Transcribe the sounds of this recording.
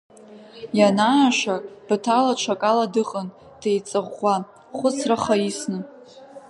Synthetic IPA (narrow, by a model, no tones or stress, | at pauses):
janaːʃab̥tʰalat͡ʃʷʰakʼaladɨqʼən | d̥ʰejt͡sʼɨʁʷa | χʷʊt͡sʰraχaisnɨ